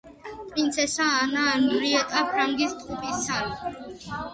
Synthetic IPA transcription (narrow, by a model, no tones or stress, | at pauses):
pʼɾint̪sʰɛsaːnaːnuɾiɛt̪ʼapʰɾaŋɡist̪ʼqʼupʼissʰami